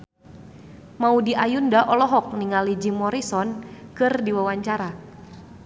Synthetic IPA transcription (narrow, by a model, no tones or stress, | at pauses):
maudiʔajundaʔɔlɔɦɔk̚niŋalid͡ʒimɔɾisɔnkɨrdiwawaɲt͡ʃaɾa